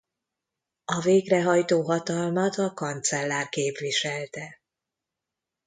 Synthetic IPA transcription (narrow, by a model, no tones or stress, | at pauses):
ɒveːɡrɛɦɒjt̪oːɦɒt̪ɒlmɒt̪ɒkɒnt̪sɛlːaːrkeːpʋiʃɛlt̪ɛ